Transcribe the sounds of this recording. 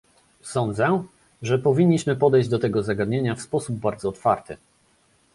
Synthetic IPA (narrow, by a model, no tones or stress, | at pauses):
sɔnd̪zɛ | ʐɛpɔvʲiɲʲːiɕmɘpɔd̪ɛjʑd͡ʑd̪ɔt̪ɛɡɔzaɡad̪ɲeɲafspɔsub̚baɾd̪zɔːt̪faɾt̪ɘ